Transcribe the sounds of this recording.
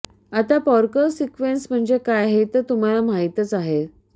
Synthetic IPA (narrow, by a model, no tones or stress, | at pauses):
at̪apɔɾkəɾsikʋensm̤əɳd͡zekajaɦet̪ət̪um̤alam̤aɦit̪ət͡saɦe